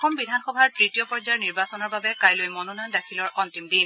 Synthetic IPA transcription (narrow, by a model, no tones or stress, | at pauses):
xɔmbidʱanxɔbʱaɹpɹitijɔpɔɹzaɹniɹbasɔnɔɹbabɛkajlojmɔnunandakʰilɔɹɔntimdin